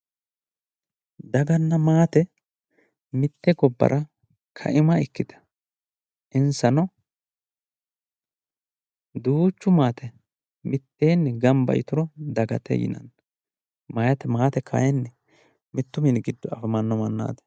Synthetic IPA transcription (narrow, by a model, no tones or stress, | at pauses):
d̪ɐɡɐnːɐmaːt̪ɛ | mɪt̪ːɛɡɔbːɐ̰ɾʔɐ | kʰɐ̰ʔɪmɐɪkːɪt̪ɐ̥ | ʔɪnsɐnɔ | d̪uːt͡ʃːʊmaːt̪ɛ | mɪt̪ːe̞ːnːɡɐmbɐ̰jɪt̪ʊɾɔd̪ɐɡɐt̪ʰɛ̰jɪ̰nɐ̰n | mɐjɐt̪ɛmaːt̪ɛkʰɐ̰jɛnːɛ | mɪt̪ːʊmɪnɡɪd̪ːɔɐfɐmɐnːɔmɐnːa̰ːt̪ɛ̥